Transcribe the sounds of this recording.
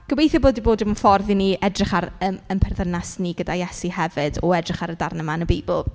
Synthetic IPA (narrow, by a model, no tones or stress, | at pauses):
ɡ̥əwejθjɔboːdiboːdɪmənfɔrðiniːɛdrɪχaɾəːmənpʰɛrðənasniːɡədajɛsihɛvɪdɔɛdrɪχaɾədarnəmanəbeːbɪlˠ